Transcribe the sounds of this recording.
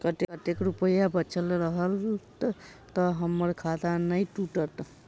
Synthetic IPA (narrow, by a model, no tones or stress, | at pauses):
kət̪ekət̪ekɾupəjabətːt͡ʃʰəlɾəɦəlt̪t̪əɦəmːəɾkʰad̪anəjʈuʈət̪